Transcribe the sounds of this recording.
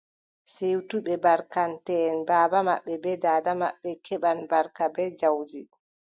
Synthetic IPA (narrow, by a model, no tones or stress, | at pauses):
sewtuɓɛbaɾkantɛːnbaːbama̰ɓːɛbɛdaːdamaɓːɛkʰɛɓanbaɾkabɛd͡ʒawd͡ʒi